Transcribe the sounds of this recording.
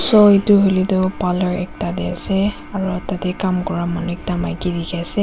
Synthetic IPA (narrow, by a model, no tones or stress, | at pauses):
sɔituɦolitʊpalɔɹɛ̰k̚tadɛasɛ | aɹutatɛkamkɔɹamanuɛk̚tamajkidikʰiasɛ